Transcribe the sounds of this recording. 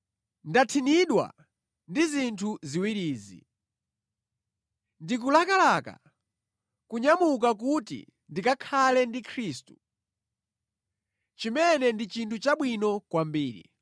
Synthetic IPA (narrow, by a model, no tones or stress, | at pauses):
ndatʰiniɗwa̰ | ndizintʰuziwiɾiːzḭ | ndik̬ulakalaka̰ | kuɲamuk̬ak̬utḭ | ndikakʰalɛndikʰɾiːstu̥ | t͡ʃimɛnɛndit͡ʃintʰut͡ʃaɓwinɔkwambiːɾḭ